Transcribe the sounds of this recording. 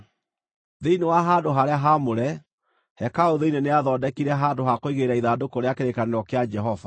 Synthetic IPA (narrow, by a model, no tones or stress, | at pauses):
ðeinewaɦaːdoɦaɾeaɦamoɾɛ | hɛkaoðeineneaðɔːdɛkiɾɛɦaːndoɦakoiɣeɾaiðadokoɾeakeɾekaneɾɔkead͡ʒɛɦɔva